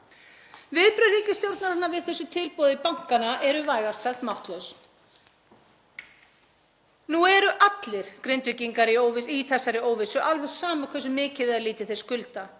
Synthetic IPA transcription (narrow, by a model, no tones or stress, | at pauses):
vɪðpɾœriːcɪst̪jowɾt̪naɾ̥hanːavɪðθɛsːʏt̪ʰɪlpoːðɪpawŋ̥kanaʔɛɾʏvaːjɣaɾ̥saxt̪mawht̪lœɥs | nuɛɾʏʔat̪lɪɾ̥kɾejnt̪vɪciŋkaɾɪoːwvɪiθɛsːaɾɪoːwvɪsʏʔalvɛɾsaːmakʰvɛs̬ʏmɪːcɪðɪðaliːt̪ɪθɛskʏlt̪a